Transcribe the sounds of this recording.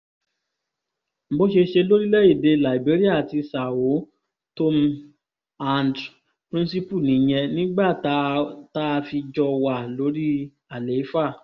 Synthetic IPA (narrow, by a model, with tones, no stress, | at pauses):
m̩˨˦bo˦ʃe˧ʃe˧lo˦ɾi˦lɛ˦i˦˨de˧la˨i˨be˨˦ɾi˦a˦˨ti˧sa˨wo˨˦ | to˧m | a˧nd | pɾĩ˦nsi˦pu˦˨nĩ˨˦j̃ɛ̃˧nĩ˦ɡ͡ba˦˨˦ta˦a˧fi˧d͡ʒɔ˧wa˦˨lo˨˦ɾi˦ | a˨le˨˦fa˦˨